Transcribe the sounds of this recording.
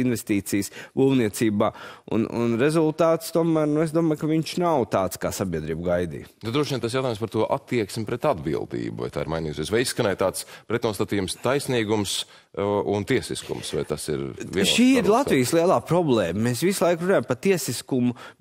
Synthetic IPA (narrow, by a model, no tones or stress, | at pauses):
invɛst̪iːt̪siːjsbuːvniɛt̪siːbaːṵnṵnɾezulˠt̪aːt̪st̪uɔmæːɾnuezd̪uɔmaːjkɐʋiɲʃnawt̪aːt̪ska̰ːsabiɛd̪ɾiːbɡajd̪ḭːd̪ɾuɔʃiɛnt̪asjawt̪aːjmspaɾt̪uɔʔat̪ːiɛksmʲpɾɛt̪ad̪bḭlˠd̪ḭːbṵva̰jt̪aːiɾmajniːjusʲiesvajisːkɐnɛjt̪aːt̪spɾɛt̪nuɔst̪at̪iːjumst̪ajsniːɡums | unt̪iɛsiskṵmsʋa̰jt̪asḭɾviɛnʃiːiɾlˠat̪ʋijslˠiɛlˠaːpɾɔblˠeːmɐmeːsʋislˠajkɾunaːjampat̪iɛsiskumu